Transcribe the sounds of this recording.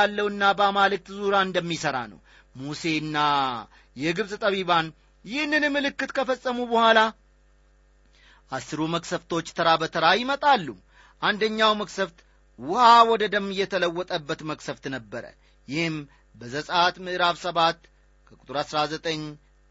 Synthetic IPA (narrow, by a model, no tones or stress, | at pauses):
alːəwɨnːabəamalɨk̚t̪zuɾaɨnd̪əmːisəɾa̰nə̰w | muse̞ɨnːa | jɛɡɨβsʼɨt̪ʼəβiβan | jɪhɨnːɨnɨmːɨlɨkːɨt̪kʰəfəsʼːəmubəhʷala | ʔasːɨɾuməksəft̪ʰo̞t͡ʃːt̪ʰəɾabət̪ʰəɾajɪmət̪ʼalːu | ʔand̪əɲːawməksəft̪ | wʊhawɔd̪əd̪əmːɨjːɛt̪ʰələwːɔt̪ʼəbːət̪məksəft̪nəbːəɾə̰ | jɪhɨm | bəzəsʼat̪mɨʔɾaβsəβat̪ː | kʰəkʼu̥t̪ʼɨɾasɾazət̪ʼəɲː